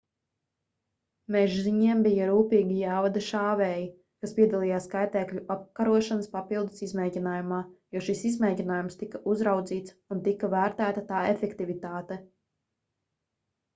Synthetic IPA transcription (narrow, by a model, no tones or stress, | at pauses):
mɛʒziɲiɛmbijaɾuːpiːɡijaːvad̪aʃaːvɛːji | kaspʲiɛd̪alˠijaːskajt̪ɛːkʎʲuʔap̚kaɾuɔʃanəspapilˠd̪ɨ̥sizmɛjɟʲinaːjumaːjuɔʃisizmɛjɟʲinaːjumst̪ikaʔuzɾawd̪ziːt̪sunt̪ikavæːɾt̪æːt̪at̪aːefɛkt̪ivit̪aːt̪ɛ